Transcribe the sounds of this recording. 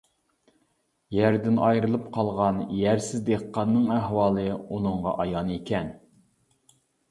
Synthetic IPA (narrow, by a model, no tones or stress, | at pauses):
jæɾd̪ɪnɑjɾɨlˠɨpqʰɑlˠʁɑnjæɾsɪzd̪eqːɑnːɨŋæhwɑːlˠɨunɨɴʁɑ̰ʔɑjɑnekʲʰɛn